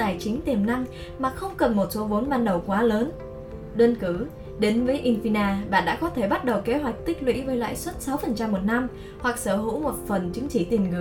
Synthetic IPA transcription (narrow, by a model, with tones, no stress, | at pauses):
aː˨˩jt͡ɕï˨˦ŋ̟t̪i˨˩əmna˧m | maː˨˩xə˧wŋ͡mkə˨˩nmo˨˩t̚so˨˦vo˨˦nɓaː˧nɗə˨˩wkwaː˨˦ləː˨˦n | ɗwə˧nkɨ˧˩ | ɗe˨˦nvəː˨˦jʔi˧nfi˧naː˧ɓa̰ː˧˨nɗa̰ː˧˥kɔ˨˦t̪ʰe˧˩ɓa˦˥t̚ɗə˨˩wke˨˦ɦwa˨˩jk̚t̪ï˦˥k̟̚lwḭ˧˥vəː˨˦jlwa̰ː˧˨jswə˦˥t̚sa˨˦wfə˨˩nt͡ɕa˧mːo˨˩t̚na˧m | hwa˨˩k̚səː˧˩ɦṵ˧˥mo˨˩t̚fə˨˩nt͡ɕɨ˨˦ŋt͡ɕi˧˩t̪i˨˩əmŋɨ˨˩